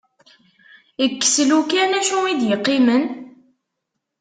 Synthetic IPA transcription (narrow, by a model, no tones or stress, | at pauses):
ikːə̥slukænæʃuid̪jəqːimən